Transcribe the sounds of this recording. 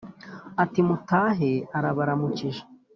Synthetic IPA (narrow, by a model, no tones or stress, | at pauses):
atimutaːɦeaɾaβaɾamuciʒḁ